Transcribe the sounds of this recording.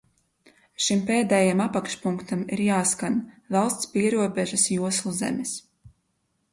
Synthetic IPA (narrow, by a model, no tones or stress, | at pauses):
ʃimpeːd̪ɛːjamapakʃpuŋkt̪amiɾjaːskanvɑlˠst̪spiɛɾuɔbʲeʒasjuɔslˠuzḛmis